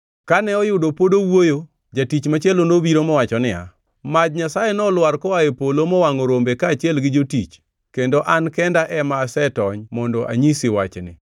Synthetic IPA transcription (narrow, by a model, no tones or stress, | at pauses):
kanɛɔjʊdopodowojo | d͡ʒatit͡ʃmat͡ʃɛlonobiɾomɔwat͡ʃɔnɪa̰ | mad͡ʒɲasajenɔlwaɾkɔaepolomɔwaŋoɾombekaːt͡ʃɪɛlɡɪd͡ʒotit͡ʃ | kendoʔankɛndaʔɛmaːsɛtɔɲmɔndɔʔa̰ɲisɪwat͡ʃnɪ̰